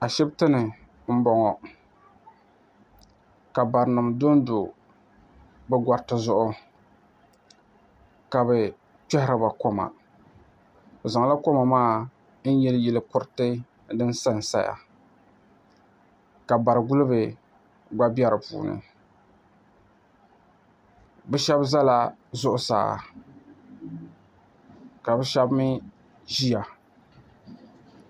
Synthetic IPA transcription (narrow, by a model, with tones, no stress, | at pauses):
a˨ʃɛ˦btɨ˦nɨ˨ | m̩˦bɔ˨ŋɔ˨ | ka˨ba˨ɾnɨ˨mdo˦n˦dʊ˨ | bɛ˦ɡʷa˨ɾtɨ˨zʊ˦ʔʊ˦ | ka˨bɛ˨ | pɛ˦hɪ˦ɾa˨ba˨ko˦ma̰˨ | za˨ŋ˨la˦ko˦ma˨maː˦ | n̩˦jɛ˦ljɛ˨lɨ˦kʊ˨ɾtɨ˦ | dɨ˦n˦sa˦˨n˨sa˦ja̰˨ | ka˨ba˨ɾɨ˨ɡu˦lɨ˦bɨ˨ | ɡ͡ba˦bɛ˦ɾɨ˨pṵː˨nɨ̰˨ | bɛ˦ʃɛ˦bza˦la˦zʊ˦ʔʊ˦sa̰ː˨ | ka˨bɛ˦ʃɛ˦bmɨ˦ | ʒi˦ja˨